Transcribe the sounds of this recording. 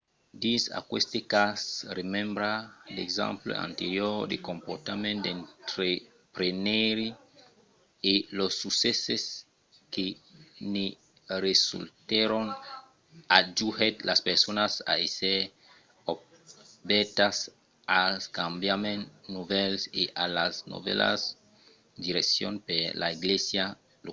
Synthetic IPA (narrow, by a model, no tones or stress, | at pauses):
d̪isa̰kwḛst̪ekasremẽmbɾadeɡzã̰mplo̰a̰nt̪eɾjoɾd̪ḛkompot̪amẽnd̪ẽnt̪ɾe | pɾeneɾi | elosːuseses | kene | ɾesṵlt̪eɾon | ad͡ʒuhet̪laspeɾsonasa̰ese | o | bet̪as | alskambjamẽnnuvelseʔalasno̰vḛla̰s | d̪iɾeksjo̰npelʔa̰iɡlesja | lo